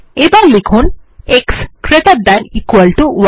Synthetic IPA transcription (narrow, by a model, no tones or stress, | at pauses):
ebalikʰunekskɾet̪ad̪anikʋəlʈuʋ